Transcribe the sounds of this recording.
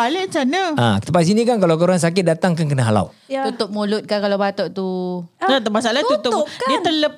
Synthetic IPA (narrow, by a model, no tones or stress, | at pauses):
balət͡ʃanəa̰kt̪əpas̬inĩkank̬alawk̬əuɾaŋs̬akɪt̪̚dat̪aŋkank̬ənaɦala̰w̪ | ut̪ʊp̚mulʊt̪̚kankalawbat̪ɔʔt̪uat̪əmas̬alat̪ut̪ʊdiət̪ələp̚